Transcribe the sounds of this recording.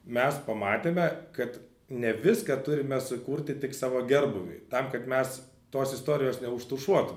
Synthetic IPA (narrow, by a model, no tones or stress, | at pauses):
mʲɛspɐmɑːt̪ʲeːmʲɛkɐt̪ | nʲɛʋʲɪskɑt̪ʊɾʲɪmʲɛsʊkuːrʲt̪ʲɪt̪ʲɪksɑːʋoːɡʲɛrbʊʋʲʊ̰ɪt̪ɐmkɐt̪mʲɛs | t̪oːsɪst̪oːɾʲɪjoːsnʲɛʊʃt̪ʊʃuɔt̪ʊmʲɛ